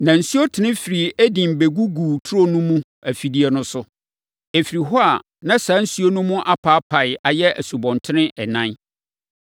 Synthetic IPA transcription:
nã˨n̩˨su˦o˦tʰɪ˨nɪ̃˦fi˨ɾi˨æ˦dĩ˨m˨be˨ɡu˦ɡuː˨tʰʊ˦ɾo˦nũ˦mũ˦ | æ˨fi˨di˦ɛ˨nʊ̃˦sʊ˦ | e˨fi˨ɾi˨ɦɔ˦a˨ | nã˦sãː˨˦n̩˦su˦o˦nʊ̃˦mũ˦ʔa˦pʰaː˨˦pʰa˨ɪ˨a˨jɛ˦æ˨su˨bɔ̃˨ntʰɪ˦nɪ̃˦ʔɛ˨nã˦n

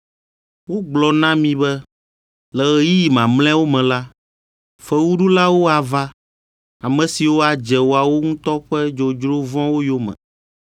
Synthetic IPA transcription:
wo˦ɡ͡blɔ˨nã˦mĩ˨bɛ˦ | lɛ˨ɣɛ˦ji˦ji˨mã˨ml̃ɛ̃˦wo˦mɛ̃˨la˦ | fɛ˦wu˦ɖu˦la˦wo˦a˨va˦ | a˨mɛ̃˨si˨wo˦a˨d͡ʒɛ˨wo˦a˨wo˦ŋũ˦t̪ɔ˦ɸɛ˦d͡ʒo˨d͡ʒɾo˦vɔ̃˦wo˦jo˦mɛ̰̃˨

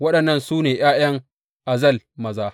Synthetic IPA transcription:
wɐ˦ɗɐ˨nːɐ˦nsuː˦neː˨j̰aː˦j̰ɐ˦ŋ | ʔa˨zɐ˦˨lmɐ˨zaː˦

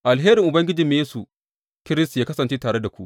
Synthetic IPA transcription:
ʔa˨lɦeː˦ɾɪ˨ŋʔʊ˨bɐ˦ŋɡʲɪ˦d͡ʒi˨mː˦jeː˦su˨ | kʲɪ˦ɾɪ˦stjaː˦kɐ˦sɐ˨nt͡ʃeː˦taː˨ɽe˦da˨kʷu˦ʔ

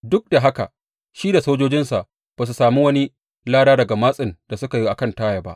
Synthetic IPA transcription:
dʊ˦k̚da˨ɦa˦ka̰˨ | ʃi˦da˨soː˦d͡ʒoː˦d͡ʒɪ˦nsa˨ʔ | b̥aː˨s̬u˨saː˨mi˦wɐ˦ni˦ | laː˦ɽaː˦dɐ˨ɡa˨maː˦sʼɪ˨nd̥a˨sʊ˦ka˨ji˦ʔa˨kɐ˦ntaː˦ja˨ba̰˦ʔ

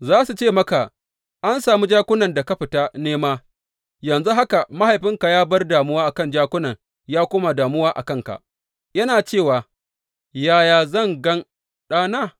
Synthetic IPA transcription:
zaː˦su˨t͡ʃeː˦˨mɐ˦ka˨ | ʔa˦nsaː˨mu˦d͡ʒaː˦kʷʊ˦nɐ˨nda˨ka˦ɸɪ˨taː˦neː˦maː˦ | jɐ˨nzu˦ɦa˦ka˨ma˦ha˨jɸɪ˦ŋka˨jaː˦bɐ˦rdaː˨mʊ˦waː˦ʔa˨kɐ˦nd͡ʒaː˦kʷʊ˦nɐ˨ŋ | jaː˦kʷʊː˦ma˨daː˨mʊ˦waː˦ʔa̰˨kɐ˦˨ŋka̰˨ʔ | jɐ˦naː˨t͡ʃeː˦˨waː˨ | jaː˦jaː˨zɐ˦˨ŋɡɐ˦n | ɗaː˦naː˦˨

